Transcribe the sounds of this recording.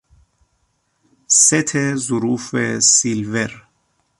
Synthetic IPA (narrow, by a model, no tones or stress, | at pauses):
set̪ʰezuɾuːfesilveɾ